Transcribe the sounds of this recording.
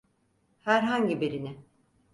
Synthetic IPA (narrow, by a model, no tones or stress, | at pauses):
hæɾɦaɲɟibeɾinɪ